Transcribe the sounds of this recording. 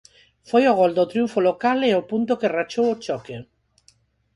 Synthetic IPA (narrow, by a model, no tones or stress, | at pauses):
fojoɣ̞old̪ot̪ɾijuɱfolokaleopunt̪okerat͡ʃowot͡ʃɔke